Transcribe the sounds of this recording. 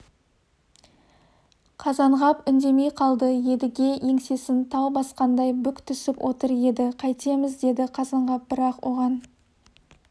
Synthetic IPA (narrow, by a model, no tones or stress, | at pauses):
qʰɑzɑɴʁɑpʏnd̪e̞me̞jqʰɑlˠd̪əje̞d̪ɪɡʲe̞je̞ŋse̞sɪnt̪ʰɑwˠbɑsqɑnd̪ɑjbʏkt̪ʰʏsɪpwʔo̞̰t̪əɾje̞d̪ɪqʰɑjt̪e̞mɪzd̪e̞d̪ɪqʰɑzɑɴʁɑp̚bɪɾɑqwʔo̞ʁɑn